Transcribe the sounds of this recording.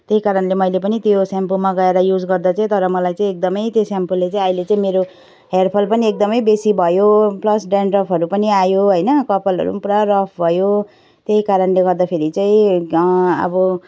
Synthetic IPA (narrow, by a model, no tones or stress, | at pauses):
t̪jeikaɾʌnlemʌjlepʌnit̪josampomaɡʌeɾʌjud͡zɡʌrd̪at͡sʌĩt̪ʌɾʌmʌlajt͡sãĩek̚d̪ʌmʌjt̪josampolːet͡sãĩʌilet͡sʌ̃ĩmeɾo | ɦerpʰʌlpʌniek̚d̪ʌmʌjbesibʱʌjoplʌsɖanrʌpʰʌɾupʌniajoɦʌjnʌkʌpʌlɦʌ̰ɾṵpuɾarʌpʰbʱʌjo | t̪jeikaɾʌnleɡʌrd̪apʰeɾit͡saĩ | ʌ̰bʌ